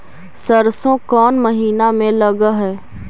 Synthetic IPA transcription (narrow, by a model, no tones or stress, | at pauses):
səɾsõkɔːnməɦiːnamẽləɡəɦɛː